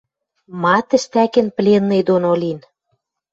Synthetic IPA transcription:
mɑt̪ə̆ʃt̪ækɘ̆nplʲenːɤ̆jd̪onolin

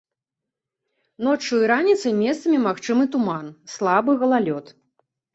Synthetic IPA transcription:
nɔt͡ʂːɨiɾanʲit̪sɐjmʲɛst̪ɐmʲimaxt͡ʂɨmɨt̪umanslˠabɨɣɐlˠalʲɔt̪

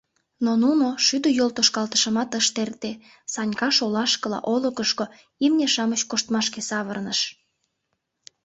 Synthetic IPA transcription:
nonunoʃyd̪øjolt̪oʃkɑlt̪ə̥ʃəmɑt̪əʃt̪ert̪e | sɑnʲkɑʃolɑʃkəlɑ̰ʔolokəʃko | imnʲeʃɑmət͡ɕkoʃt̪mɑʃkesɑβərnəʃ

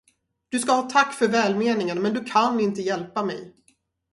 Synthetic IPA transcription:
d̪̥ɵskahɑːt̪ʰakːfœɾvɛːlmeːnɪŋənmɛnd̪ɵkʰanːɪnt̪əjɛlpamɛ̰j

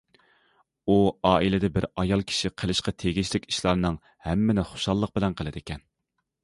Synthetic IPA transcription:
uɑːilɪd̪ɛbɪɾɑjɑlˠkʲʰi̥ʃiqʰəlˠɪʃqɑt̪ʰeɡʲiʃlɪkʲi̥ʃlˠɑɾɨnɨŋ | hɛmːɪnɪχo̥ʃɑlˠːəq̚bɪlɛnqʰəlˠɨd̪ɪkʲʰɛn

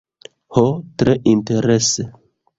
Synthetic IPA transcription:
hotɾeʔinteɾese

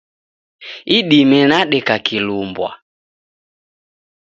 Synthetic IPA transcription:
iɗimɛnaɗɛkakilumbwa̰

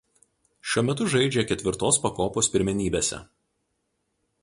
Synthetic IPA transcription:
ʃʲuɔmʲɛt̪ʊʒɐɪd͡ʒʲɛkʲɛt̪ʲʋʲɪɾt̪oːspɐkoːpoːspʲɪɾʲmʲɛnʲiːbʲeːsʲɛ̰

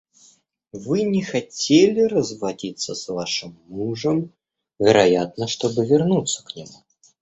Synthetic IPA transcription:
vɨnʲɛxat͡sʲelʲirɐzvadʲit̪sːɐsvaʂɨmːuʐɐm | vʲɛɾajat̪̚nɐʂt̪ɔbɨvʲɛrnut̪sːɐ̥knʲamu

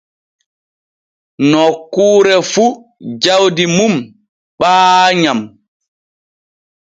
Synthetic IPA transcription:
nɔkːuːɾɛfud͡ʒawdimum | ɓaːɲam

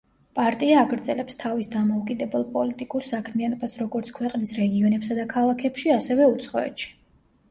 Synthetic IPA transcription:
pʼaɾt̪ʼiaːɡɾd̪zɛlɛpst̪ʰavisd̪amɔukʼid̪ɛbɛlˠpʼɔlit̪ʼikʼuɾsakʰmianɔbasɾɔɡɔɾt̪sʰkʰwɛqʼnisɾɛɡiɔnɛpsad̪akʰalˠakʰɛpʃiasɛvɛut̪sʰχɔɛ̰t̪ʃi̥

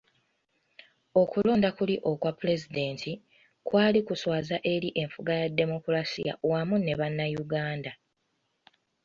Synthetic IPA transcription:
o̞kulo̞ːndakuliʔo̞kwapule̞zide̞ːntʰi | kwaːlikuswaːzaʔe̞ɾiʔe̞ɱfuɡajadːe̞mo̞kulasḭja̰wamune̞βanːajuɡaːnda

